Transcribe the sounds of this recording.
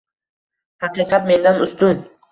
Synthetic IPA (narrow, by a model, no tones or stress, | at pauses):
haqɨːqɑt̪me̞nd̪anʊst̪ʊn